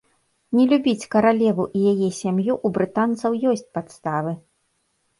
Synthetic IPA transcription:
nʲɛlʲubʲit͡sʲkɐɾalʲɛvuʔijajɛsʲamjuʔubɾɨt̪ant̪sɐwjɔsʲt͡sʲpat̪st̪avɨ

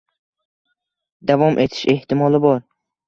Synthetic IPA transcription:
d̪avɒmʔet̪ʰi̥ʃe̞ht̪imɒlibɒɾ

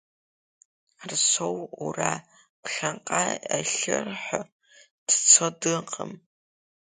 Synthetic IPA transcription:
rsowura̰ | pɬɐɴqʼaːɐ̰ɬɨ̰rħʊ | tʰɨt͡sʰodɨqʰʼə̰m

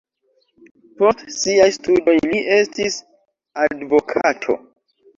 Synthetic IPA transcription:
po̞stsiajstudo̞jliʔe̞stis | advo̞kʰatʰo̞̰

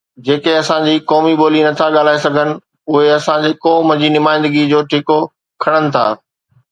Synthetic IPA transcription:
d͡ʑeːkeɐsãd͡ʑiːkɔːmiɓoːlinɐt̪ʰaɠaːl̤aːesɐɡʱənɪ̆ | ʊɦeɐsãd͡ʑeːkɔːməd͡ʑiːnʊmaːɪ̃nd̪əɡid͡ʑoːʈʰiko | kʰɐɽ̃ənɪ̆t̪ʰa̰ː

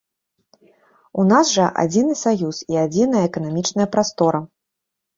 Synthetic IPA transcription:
unasʐɐʔa̰d͡zʲinɨsajusiad͡zʲinɐjɐːkɐnamʲit͡ʂn̪ɐjɐpɾast̪ɔɾɐ

